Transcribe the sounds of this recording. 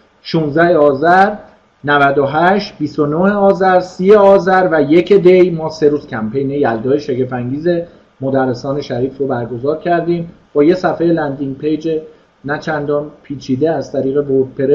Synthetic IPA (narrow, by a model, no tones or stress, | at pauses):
ʃuːnzd̪æhe̞ɒːzæɾ | nævæd̪oɦæʃt̪̚bist̪o̞noeɒːzæɾsiːjeɒːzæɾvæje̞cʰed̪e̞jmɒːse̞ɾuːz̥cʲʰæmpe̞jne̞jæld̪ɒːjeʃecefæŋɟiːze̞ | mod̪ærːe̞sɒːne̞ʃæɾiːfɾobæɾɡo̞zɒːɾcʰæɾd̪iːmb̥ɒːje̞sæfejelænd̪iŋpʰejd͡ʒe | næt͡ʃʰænd̪ɒːnpʰiːt͡ʃʰiːd̪eæzt̪ʰæɾiːɣe̞boɾd̪̚pʰe̞ɾe